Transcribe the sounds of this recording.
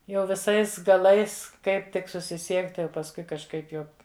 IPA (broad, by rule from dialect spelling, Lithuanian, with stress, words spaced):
jɛʊ ʋʲɪˈsɐɪs ɡɐˈlˠɐɪs ˈkɐɪp tʲɪk sʊsʲɪˈsʲiɛktʲɪ oː pɐsˈkʊɪ kɐʃˈkɐɪp jɛʊ